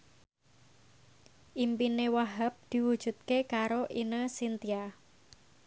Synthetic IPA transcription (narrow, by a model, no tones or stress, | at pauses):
ʔimpinewaɦap̚d̪̥i̤wud̥ʒ̥ṳt̪̚kekaɾoʔinəsint̪ia